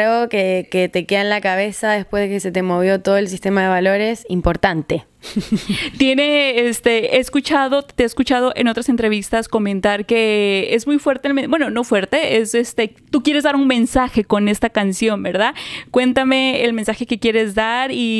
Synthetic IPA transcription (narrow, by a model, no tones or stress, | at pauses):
okeket̪ekeðanlakaβe̞saðe̞spwe̞zðekeset̪e̞mo̞β̞jo̞t̪oðoels̬ist̪e̞maðeβalo̞ɾesimpo̞ɾt̪ant̪e̞ | t̪jene̞est̪eeːskut͡ʃaðo̞t̪eeskut͡ʃað̞o̞ʔeno̞t̪ɾase̞nt̪ɾe̞β̞ist̪asko̞mẽ̞nt̪aɾke̞ezmujfwe̞ɾt̪elmbwe̞nono̞fwe̞ɾt̪e̞esest̪et̪ukje̞ɾezðaɾunmẽ̞nsaxe̞ko̞ne̞st̪akansjo̞mbe̞ɾðakwe̞nt̪ame̞ːlmensaxe̞kekje̞ɾe̞zðaɾi